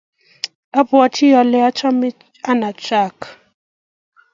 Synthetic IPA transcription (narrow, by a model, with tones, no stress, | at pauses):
a˦bwa˨tʰi˦ja˨lɛ˦a˦t͡ʃʰa˦mi˦ | a˦na˨t͡ʃʼaː˦˨kḁ˨